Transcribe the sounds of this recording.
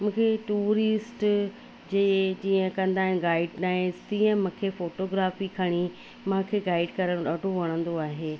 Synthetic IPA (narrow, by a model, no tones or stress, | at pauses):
mũːkʰeʈuːɾɪsʈ | d͡ʑeːd͡ʑiːə̃kɐ̃nd̪aːɦɪnɪ̆ɡaːɪɖnaːɪzt̪iːə̃mũːkʰefoːʈoɡɾaːfikʰɐɽ̃i | mãkʰeɡaːɪɖkɐɾəɽ̃ɗaːɖʱoʋɐɽ̃ə̃nd̪oaːɦeː